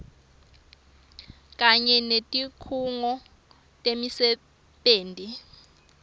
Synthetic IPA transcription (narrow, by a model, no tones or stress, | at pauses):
k̬ʼaɲɛnetʼikʰuŋɔ | tʼemisɛ | ɓeːntʼi